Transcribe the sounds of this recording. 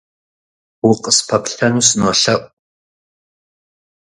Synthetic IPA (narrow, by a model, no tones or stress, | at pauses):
wʊqʼəspʰɐpʰɬʰɐnusɨnɔɬɐʔʷʼ